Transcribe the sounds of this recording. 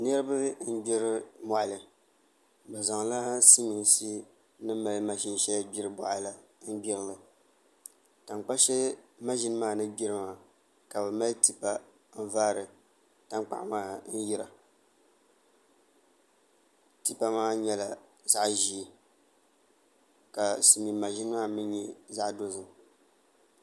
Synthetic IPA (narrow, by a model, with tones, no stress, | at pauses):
nɛ˦ɾɨ˦bɨ˦n̩˦bi˦ɾɨ˦mɔ˨ʔa˨lɨ˨ | bɨ˨za˨ŋla˦si˦ɲi˨nsi˦ | nɨ˦ma˨lma˦ʃi˦n˦ʃɛ˦lbi˦ɾɨ˦bɔ̰˨ʔa˦la˦n̩˦bi˦ɾɨ˦lɨ˨ | ta˨ŋ˨k͡pa˦ʃɛ˦ma˦ʒi˦nɨ˦maː˦nɨ˦bi˦ɾɨ˦maː˨ | ka˨bɨ˨ma˦lti˨pa˦ | n̩˦vaː˦ɾɨ˨ | ta˦ŋ˦k͡pa̰˨ʔmaː˦˨n̩˦ji˦ɾa˨ | ti˦pa˦maː˦ɲɛ˦la˨ | za˦ʔʒi˦˨ | ka˨sɨ˨mi˨ma˨ʒi˦nɨ˦maː˦mɨ˦ɛ˦za˦ʔdo˦zɨ˨